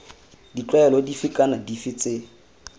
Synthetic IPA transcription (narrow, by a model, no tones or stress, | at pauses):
dit͡ɬwaɛlɔdifɪkʼanadifɪt͡sʼɪ